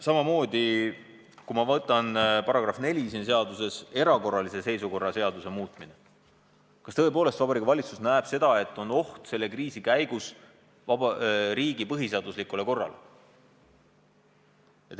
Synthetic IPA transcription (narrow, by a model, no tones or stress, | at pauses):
sɑmɑmo̞ːd̪i | kumɑvɤt̪ːˑɑnpɑɾɑɡ̥ɾɑfne̞lʲisins̬e̞ɑd̪use̞se̞ɾɑko̞rːɑlise̞se̞jsuko̞rːɑse̞ɑd̪use̞muːt̪ˑmine | kɑst̪ɤe̞p̬o̞ːlest̪vɑbɑɾikːɑvɑlʲit̪susnæeb̥se̞d̪̥ɑe̞t̪ːˑo̞no̞ht̪se̞lːe̞kriːsikæjɡ̥us | vɑɾiːɡ̥ipɤɦise̞ɑd̪̥uslikule̞ko̞rːɑ̰l | et̪